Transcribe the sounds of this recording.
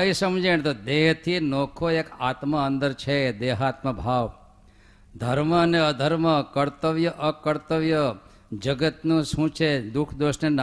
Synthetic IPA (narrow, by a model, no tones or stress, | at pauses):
əisəmd͡ʒeɳ̃t̪od̪eɦt̪ʰinokʰoekat̪məənd̪əɾt͡ʃʰed̪eːɦaːt̪məbʱaːʋ | d̪ʱəɾməneəd̪ʱəɾməkəɾt̪əʋjəʔəkəɾt̪əʋjə | d͡ʒəɡət̪nũʃũt͡ʃʰed̪ukʰd̪oʃnen